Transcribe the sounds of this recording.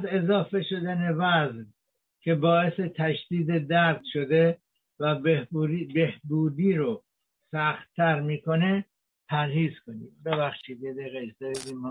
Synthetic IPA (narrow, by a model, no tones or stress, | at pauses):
ze̞zɒːfe̞ʃo̞d̪æne̞væzv | kʰe̞bɒːe̞se̞t̪ʰæʃd̪iːd̪e̞d̪æɾd̪ʃo̞d̪e | væ | behbuːd̪iːɾo | sæxt̪ʰːæɾmiːko̞ne̞ | pʰæɾhiːzkʰoniːmbeβæxʃiːd̪ed̪eɣed͡ʒd̪ejziːmɔ